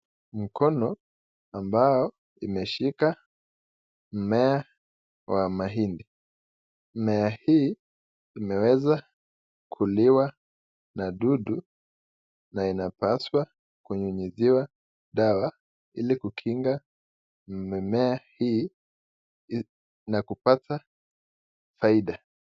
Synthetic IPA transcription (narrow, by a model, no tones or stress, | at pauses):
m̩kʰɔnɔ | ambajɔ | imɛʃika | m̩mɛa | wamaɦindi | mɛahiː | imɛwɛza | kʰuliwa | naɗuɗu | nainapaswa | kuɲuɲiziwa | ɗawa | ilikukʰiŋɡa | mɛahiː | nakupata | faiɗa